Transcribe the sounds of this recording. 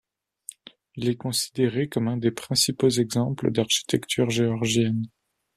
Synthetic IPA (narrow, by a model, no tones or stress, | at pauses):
ilɛkɔ̃si̥d̪eʁekɔmɛ̃d̪epχɛ̃sipozɛɡzɑ̃plə̰d̪aʁʃi̥t̪ɛkt̪ʰyʁʒeɔʁʒjɛn